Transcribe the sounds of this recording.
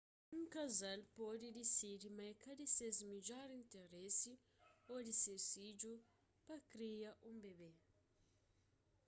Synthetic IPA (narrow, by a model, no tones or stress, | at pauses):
ŋ̩kazalpʼodidisiɾimaikʰadisezimid͡ʒaɾintɛresi | odisesid͡ʒu | pakɾijaʔumbɛβɛ